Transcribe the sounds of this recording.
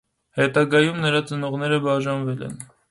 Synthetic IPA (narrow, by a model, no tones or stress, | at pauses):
hɛt̪ɑɡɑjumnəɾɑt͡sənɔʁnɛɾəbɑʒɑnvɛlɛ̰n